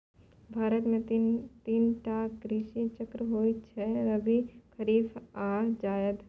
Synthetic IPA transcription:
bʱaːɾət̪mẽt̪iːnʈaːkɡɾiːʃit͡ʃəkɾəɦoːit͡ʃʰɛɾɐbikʰɐɾiːfaːd͡ʒaːjəd̪

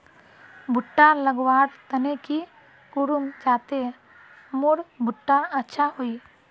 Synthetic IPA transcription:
bʱʊʈːaləɡwaːɾt̪əneki | kuɾumd͡ʒaːt̪e | mʊɾbʱʊʈːaətːʃʰaɦoi

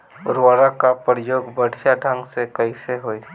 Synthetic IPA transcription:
ʊ̰ɾwaːɾakapɾjoːɡbəɽ̤ʱjaɖʱə̃ŋɡsekəiseɦoːi

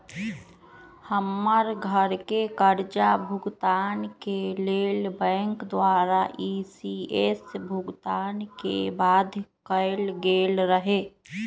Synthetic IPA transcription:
həmːəɾɡʱəɾkekəɾd͡ʒabʱʊɡt̪aːnkeleːlbɛ̃ːŋkd̪waːɾaʔisiesbʱʊɡt̪aːnkḛbaːd̪ʱkəɪlɡeːlɾəɦeː

